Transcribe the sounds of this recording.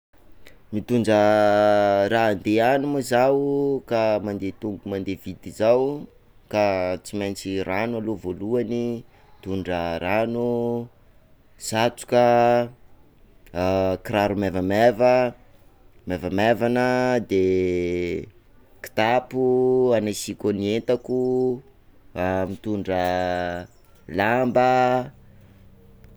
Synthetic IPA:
mit̪uɳɖ͡ʐə | raːnd̪eanumazawkamand̪et̪uŋɡumand̪evid̪izaw | kat͡simejnt͡siranualovoluani | t̪uɳɖ͡ʐəranu | z̥at͡su̥kə | kiɾaɾumevəmevə | mevamavanəd̪e | ki̥t̪apuanasikonient̪aku | amit̪uɳɖ͡ʐə | lambə

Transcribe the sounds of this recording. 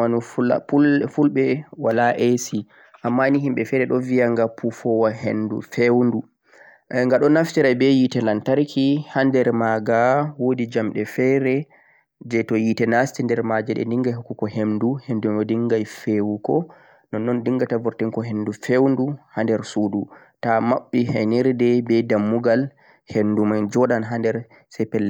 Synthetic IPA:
anufa̰pulfulɓɛwalaʔesi | ʔamːaniɦimɓɛfɛɾɛɗɔviaŋɡapʰufɔwaɦḛndṵfewndu | ŋɡaɗɔnaftɛɾajbɛjitɛlantaɾkʰihandɛɾmaɡawodid͡ʒamɗɛfɛɾɛ | d͡ʒɛtɔjitɛnastindɛɾmad͡ʒɛɗɛ̰ndiŋɡajɦukːukɔɦemduhenduɔdiŋɡajfewukɔ | nɔnːɔndiŋɡatavuɾtiŋkɔɦendufewnduhandɛɾsudu | tamaɓːihɛniɾdɛbɛdamːuɡal | hendumand͡ʒɔɗanɦandɛɾ | sɛpɛlːɛ

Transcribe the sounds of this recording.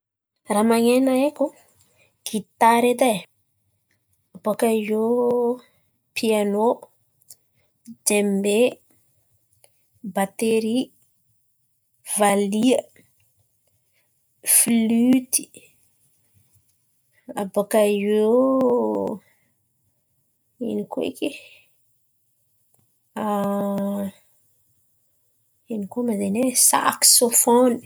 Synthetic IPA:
ramaŋenaeku | ɡ̥it̪aɾed̪e | abokajo | pʰiano | d͡ʒembe | bat̪eɾi | valiə | flyt̪i̥ | abokajo | ḭnikoḭke | a | inikomazenesa̰ksofoni̥

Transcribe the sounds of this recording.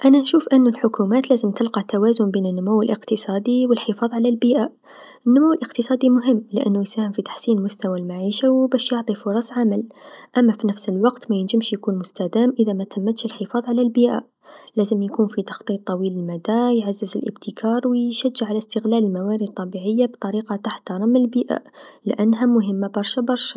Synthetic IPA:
ʔænanʃuːfʔənːʊlħʊkumæːt̪læːzəmt̪əlqɑt̪awæːzʊmbeːnənːʊmuwːəlʔəqt̪əsˤɑːd̪iwəlħəfɑːðˤʕalælbiʔa | ʔənːʊmuwːəlʔəqt̪əsˤɑːd̪imʊɦɪmːlɪʔæ̰nːujsæːhəmfit̪ḁħsiːnmʊst̪awalmaʕiːʃawbæːʃjʊʕt̪ˤifʊɾˤɑsˤʕamælʔæmːæfinæfsəlwɑqt̪mæjənʒəmʃjkuːnmʊst̪æd̪æːmʔəðamæt̪ʰəmːət̪ʃəlħəfɑːðˤʕalælbiʔa̰ | læzəmjkuːnfit̪ɑ̥xt̪ˤiːt̪ˤːɑwiːləlmæd̪æjʕazːəzə̰lʔə̰b̚t̪ʰəkʰɑːɾˤwjʃæd͡ʒːəʕalæst̪əɣlæləlmawæɾəd̪̚t̪ˤːɑbiʕəjːabt̪ˤɑɾiqɑt̪aħt̪ɑɾˤɑmːəlbiːʔa̰lʔænːɦamʊɦəmːabɑɾˤʃabɑɾˤʃa

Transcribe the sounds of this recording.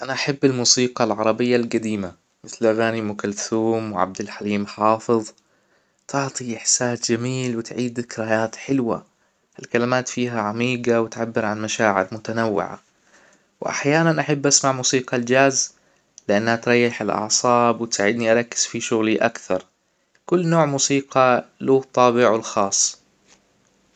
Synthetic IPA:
ʔanaʔaħabːalmuːsiːqɑlʕɑɾˤɑbɪjːalɡad̪iːma | mɪθlʔaɣaːnimʊkalθuːmwɪʕa̰b̚d̪alħaliːmħɑːfɨðˤ | t̪ʰɪʕt̪ˤiʔɪħsaːsd͡ʒamiːlwɪt̪ʕiːd̪kɪɾajaːt̪ħɪlwa̰ | alkalamaːt̪fiːɦaʕamiːɡawɪt̪ʕabːɪɾʕanmaʃaːʕɪɾmʊt̪anawːɪ̰ʕa̰ | wʔa̰ħjaːnanʔaħabːʔasmaʕmuːsiːqɑld͡ʒaːz | lɪʔanːhat̪ɾˤɑjːɪħɪlʔɑ̰ʕsˤɑːbwɪt̪saːʕɪd̪niʔaɾˤɑkːɪ̥z̥fiʃʊɣliʔa̰kθɑɾˤ | kʊlːnoːʕmuːsiːqɑluːt̪ˤːɑːbɪʕwɪlxɑːsˤː

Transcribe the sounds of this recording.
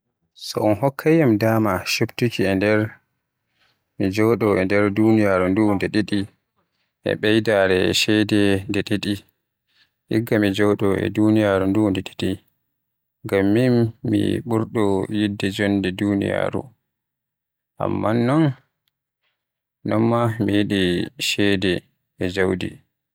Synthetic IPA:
sɔɔnɦɔkʰːajamdaːmaʃuptukiɛndɛɾ | mid͡ʒɔɗɔʔɛndɛɾdunijaɾundundɛɗeɗi | ʔɛ̰ɓɛjdaɾɛʃɛjdɛndɛɗeɗi | ʔḭɡːamid͡ʒɔwɗɔɛ̰dunijaɾundundɛɗeti | ŋɡamːinːḭɓuɾɗɔjidːɛd͡ʒɔndɛdunḭja̰ɾṵ | ʔa̰mːanːɔn | nɔmːamijiɗiʃɛdɛː | d͡ʒawdḭ

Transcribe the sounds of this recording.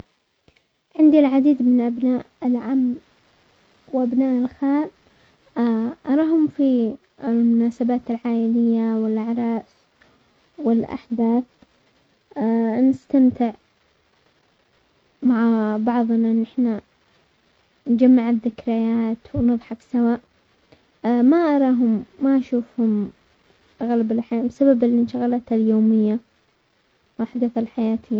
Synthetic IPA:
ʕɪnd̪ilʕad̪iːd̪mɪnʔabnaːʔɪlʕamː | wʔabnaːʔɪlxaːl | ʔɑɾˤɑːhʊmfi | ɪlmʊnaːsabaːt̪ɪlʕaːʔɪlɪjːawɪlʔaʕɾˤɑːs | wɪlʔa̰ħd̪aːθ | nɪst̪amt̪ɪʕ | maʕabɑʕðˤnaʔɪnːʔɪħna | nd͡ʒamːaʕaðːɪkɾajaːt̪wnɨðˤħɑksawaːʔ | maʔɑɾˤɑːɦʊmːaʔaʃuːfhʊm | ɣalabɪlħaabsababɪlːinʃaɣalat̪haljoːmɪjːa | wʔaħd̪aθalħajaːt̪ʰɪjːa

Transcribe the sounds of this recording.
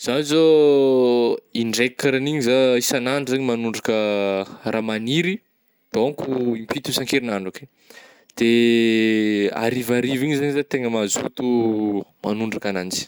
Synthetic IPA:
z̥azo | iɳɖ͡ʐekːaɾaniɲizaisanaɳɖ͡ʐzaɲimanuɳɖ͡ʐakə | raːmaniɾi | d̪̥oŋkuimpit̪usaŋkeɾinaɳɖ͡ʐoke | d̪̥e | a̰ɾivaɾiviɲizaɲizat̪eŋəmazṵt̪umanuɳɖ͡ʐakanant͡si̥

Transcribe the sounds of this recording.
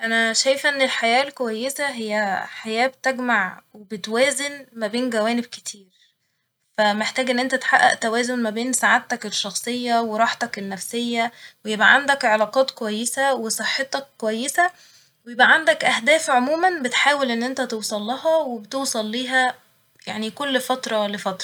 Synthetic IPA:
ʔænæʃæjefʔenːelħajæːlkowæjːesæɦejːæħajæːb̚t̪eɡmaʕwebet̪wæːzenmæbeːnɡæwæːneb̚ke̥t̪ʰiːɾ | fæmeħt̪æːɡʔenːʔent̪æt̪e̥ħaʔːæ̰ʔt̪æwæːzonmæbeːnsaʕat̪ːækeʃːɑxsˤejːɑweɾˤɑːħt̪ɑkenːæfsejːæwejebʔæʕand̪ækʕelɑːqɑːt̪kowæjːesæwesˤeħːet̪ɑkːowæjːesæ | wejebʔæʕand̪ækʔæhd̪æːfʕomuːmænbet̪ħaːwelʔenːʔent̪æt̪ewsˤɑlːɑɦɑwebet̪ewsˤɑlːiːɦæ | jaʕnikolːfæt̪ɾˤɑwælːæfɑt̪ɾˤɑ

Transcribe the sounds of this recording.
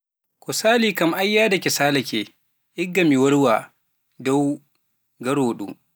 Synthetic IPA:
kɔsaːliːkamʔajːaːdakɛsaːlɐkʲe | ʔɪɡːamiwɐɽwa | dɔw | ɡɐɾoːɗṵ

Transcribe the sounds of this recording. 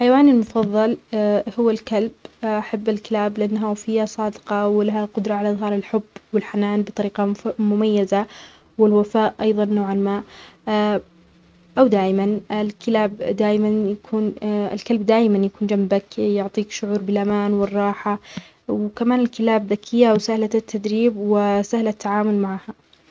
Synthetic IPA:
ħajawaːnɪlmʊfɑðˤːɑlhʊwːalkalbʔaħabːalkɪlaːblɪʔanːɦafɪjːasˤɑːd̪ɪqɑwɪlaɦaqʊd̪ɾˤɑʕalaʔðˤɦɑːɾˤɪlħʊbːwɪlħanaːnbɨt̪ˤɑɾiːqɑmʊmajːaza | wɪlwafaːʔʔɑjðˤɑnːoːʕalmaːʔ | ʔawd̪aːʔɪmanɪlkɪlaːbd̪aːʔɪmanjakʰuːnɪ̰lkalbd̪aːjmanjakuːnd͡ʒambakjʊʕt̪ˤiːkʃʊʕuːɾbɪlʔamaːnwɪrˤːɑːħa | wkamaːnɪlkɪlaːbðakʰɪjːaʔwsahlat̪ːad̪ɾiːbwɪsahlat̪ʰːaʕaːmʊlmaʕaha

